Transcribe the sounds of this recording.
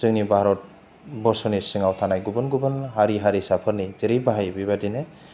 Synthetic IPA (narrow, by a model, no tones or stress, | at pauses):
zɯŋnibaɦɾɔt̚ | bɔɾsɔnisɯŋawtʰanajɡubɯnɡubɯnɦaɾiɦaɾisapʰɯɾnizeɾijbaɦajbibadinɯ